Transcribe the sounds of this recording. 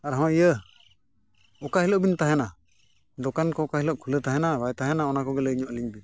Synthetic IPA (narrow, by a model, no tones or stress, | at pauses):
aɾɦɔ̃ijə | ɔkaɦiləʔbint̪aɦɛna | d̪ɔkankɔːkaɦiləʔkʰulət̪aɦɛnabajt̪aɦɛnaɔnakɔɡɛləiɲɔʔliɲbi